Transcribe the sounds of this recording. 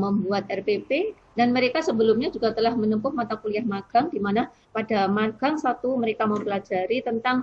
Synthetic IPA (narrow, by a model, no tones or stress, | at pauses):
məmbuat̪ɛrpepe | danməɾekasəbəlʊmɲad͡ʒuɡat̪əlahmənəmpʊhmat̪akuliahmaɡ̥aŋdimana | padamaɡ̥aŋsat̪uməɾekaməmpəlad͡ʒaɾit̪ənt̪aŋ